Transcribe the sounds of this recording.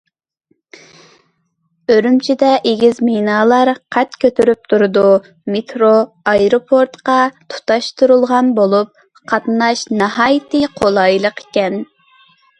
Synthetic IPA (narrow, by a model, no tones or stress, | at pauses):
øɾymt͡ʃʰid̪ɛʔeɡʲizmenɑːlˠɑɾqʰɛt̪kʲʰøt̪ʰyɾyp̚t̪ʰuɾʊd̪u | met̪ɾo | ɑjɾopʰoɾt̪qɑt̪ʰu̥t̪ɑʃt̪ʰuɾulˠʁɑnbolˠup̚ | qʰɑt̪nɑʃnɑhɑːjt̪ɨqʰolˠɑjlˠəqe̥kʲɛn